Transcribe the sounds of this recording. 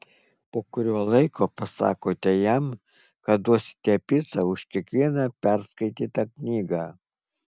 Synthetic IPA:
poːkʊɾʲuɔlˠɐɪkʰoːpɐsɑ̰ːkoːt̪ʲɛjɛm | kɐt̪̚d̪uɔsʲt̪ʲɛpʲɪsɑʊʃkʲiɛkʋʲiɛnɑpʲæɾskɐɪt̪ʲiːt̪ɐknʲiːɡɑː

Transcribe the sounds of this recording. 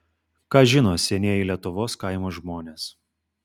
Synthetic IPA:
kɑːʒʲɪnoːsʲɛnʲeɛjɪlʲiɛt̪ʊʋoːskɑɪmoːʒmoːnʲeːs

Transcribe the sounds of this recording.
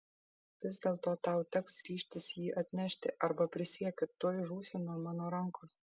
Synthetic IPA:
ʋʲɪzd̪ʲeːlˠt̪oːt̪ɑˑʊt̪ʲɛksɾʲiːʃʲt̪ʲɪsjiːʔɐt̪ʲnʲɛʃʲt̪ʲɪ̰ʔɐɾbɐpʲɾʲɪsʲiɛkʲɪt̪uɔjʒuːsʲuːnɔmɑːnoːɾɐŋkoːs

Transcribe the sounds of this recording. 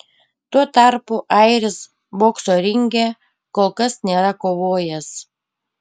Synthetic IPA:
t̪uɔt̪ɑˑɾpuʔɐɪɾʲɪs | boːksoːɾʲɪŋʲɡʲe | koːlˠkɐsnʲeːɾɐkoːʋoːjɛs

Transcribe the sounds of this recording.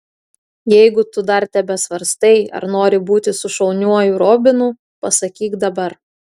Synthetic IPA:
jɛɪɡʊt̪ʊd̪ɐɾt̪ʲɛbʲɛsʋɐɾst̪ɐɪɐ̰ɾnoːɾʲɪbuːt̪ʲɪsʊʃɐlˠnʲuɔjuɾoːbʲɪnuː | pɐsɐkʲiːkd̪ɐbɐɾ

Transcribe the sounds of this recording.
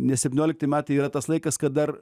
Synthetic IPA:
nʲɛsʲɛpʲtʲɪnʲoːlʲɪk̚t̪ɐɪmʲæːt̪ɐɪiːɾɐt̪ɐslˠɐɪkɐskɐt̪̚d̪ɐr

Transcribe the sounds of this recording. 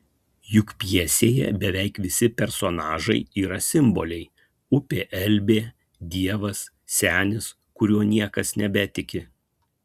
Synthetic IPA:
jʊkpʲjɛsʲeːjɛ̰bʲɛʋʲɛɪkʋʲɪsʲɪpʲɛɾsonɑːʒɐɪiːɾɐsʲɪmbolʲɛɪ | ʊpʲeːʔɛlʲbʲeː | d̪ʲiɛʋɐs | sʲæːnʲɪs | kʊɾʲuɔnʲiɛkɐsnʲɛbʲɛt̪ʲɪkʲɪ

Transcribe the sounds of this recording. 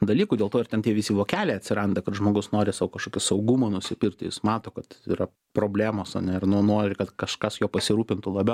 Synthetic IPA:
d̪ɐlʲiːkudʲelˠt̪oːɪrtʲɛnt̪ʲiɛʋʲɪsʲiːʋoːkʲæːlʲɛːɐt̪ʲsʲɪɾɐnd̪ɐkɐt̪ʒmoːɡʊsnoːɾʲɪsɑːokɐʃkoːkʲɪsɐʊɡumonʊsʲɪpʲɪɾʲkʲt̪ʲɪjɪsmɑːt̪oːkɐt̪iːɾɐ | pɾoːbʲlʲæːmoːsɐ̰nʲɛɪrnʊnoːɾʲɪkɐt̪kɐʃkɐsjoːpɐsʲɪɾuːpʲɪnt̪ʊlˠɐbʲɛ

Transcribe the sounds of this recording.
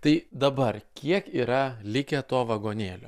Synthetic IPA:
t̪ɐɪd̪ɐbɐrkʲiɛkiːɾɐlʲɪkʲɛt̪oːʋɐɡoːnʲeːlʲo̰ː

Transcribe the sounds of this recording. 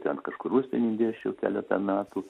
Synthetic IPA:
t̪ʲɛnkɐʃkʊɾusʲpʲɛnʲɪd̪ʲeːt͡ʃʲɛʊkʲæ̰ːlʲɛt̪ɐmʲæːt̪uː

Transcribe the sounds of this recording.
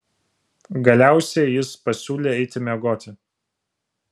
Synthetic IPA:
ɡɐlʲæˑʊsʲɛjɪspɐsʲuːlʲeːɛɪt̪ʲɪmʲɛɡoːt̪ʲɪ

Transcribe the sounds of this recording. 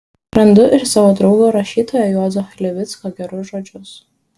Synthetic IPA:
ɾɐnd̪ʊʔɪɾsɑʋoːd̪ɾʊɡoːɾɐʃʲiːt̪oːjɛjoːzoxɐlʲɛʋʲɪt̪skoɡʲɛɾʊsʒoːd͡ʒʲʊs

